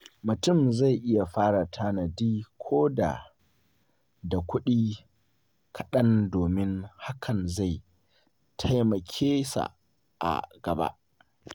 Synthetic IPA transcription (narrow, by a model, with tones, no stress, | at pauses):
mʊ˨tʊ˦˨mza˦˨jʔɪ˦ja˨ɸaː˦ɽa˨tʰa˦nɐ˨diː˦kʷʰoː˦da̰˨ | da˨kʷʊ˦ɗiː˦ | kʰɐ˨ɗɐ˦ndoː˨mɪ˦ŋha˦kʰɐ˨nza˦˨j | tʰa˦jmɐ˨kʲʰeː˦sa̰˨ | ʔa̰˨ɡɐ˨ba̰˦ʔ